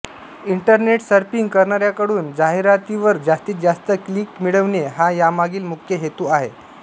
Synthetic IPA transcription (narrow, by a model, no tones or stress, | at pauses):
iɳʈəɾneʈsəɾpiŋɡkəɾɳaɾjakəɽuːnd͡zaɦiɾat̪iʋəɾd͡zast̪iːd͡zast̪əkliːkmiɭəʋneɦajamaɡiːlmukʰjəɦet̪uːaɦe